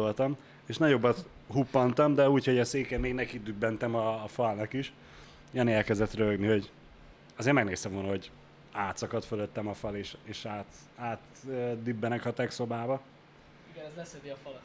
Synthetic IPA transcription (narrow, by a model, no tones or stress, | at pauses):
olt̪ɒm | eːʃnɒɟo̞bːɒt̪ | ɦupːɒnt̪ɒmd̪ɛuːcho̞ɟɒseːkɛmːeːɡnɛkid̪ybːɛnt̪ɛmɒːfɒlnɒkiʃ | jɛnɛlkɛzɛt̪røɡniho̞ɟ | ɒzeːrɾmɛɡneːst̪ɛmvoːnɒɦo̞ɟ | aːt̪sɒkɒt̪føløt̪ːɛmɒfɒleːʃeːʃaːt̪ | aːt̪ | ød̪ybːɛnɛkɒt̪ɛkso̞baːbɒ | iɡɛɛzɛsɛd̪iɒf